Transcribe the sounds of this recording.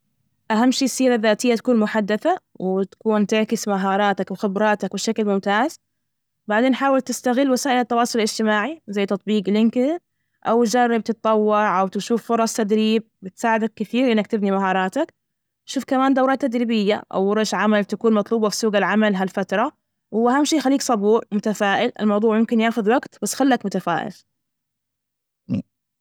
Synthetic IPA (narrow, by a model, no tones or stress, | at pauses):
ʔaɦamːʃiːsːiːɾaðːaːt̪ɪjːat̪ḁkuːnmʊħad̪ːaθawt̪ḁkuːnt̪ɪʕkɪsmaɦɑːɾˤɑːt̪akwɪxɪbɾˤɑːt̪akbɪʃaklmʊmt̪aːz̥ | baʕd̪eːnħaːwɪlt̪ɪst̪aɣɪlːwasaːʔɪlat̪ːɑwɑːsˤʊlɪlɪd͡ʒt̪ɪmaːʕizajːt̪ɑt̪ˤbiːɡlɪŋkɪ | ʔawd͡ʒarˤːɪb̚t̪ɪt̪̚ˤt̪ːˤɑwːɑɾʕʔawt̪ɪʃuːfːʊɾˤɑsˤt̪ad̪ɾiːb̚bɪt̪saːʕɪd̪akːɪθiːɾʔɪnːak̚t̪ɪbnimaɦɑːɾˤɑːt̪ak | ʃuːfkamaːnd̪awɾɑːt̪ːad̪ɾiːbɪjːa̰ʔa̰wɾˤɑʃʕamalt̪akuːnmɑt̪ˤluːbɑfi̥suːɡalʕamalɦalfat̪ɾˤɑ | wʊːʔaɦamʃiːxalːiːksˤɑbuːɾmʊt̪afaːʔɪlʔɪ̰lmɑwðˤuːʕmʊmkɪnjaːxʊðwaɡt̪basːxalːakmʊt̪afa̰ːʔɪ̰l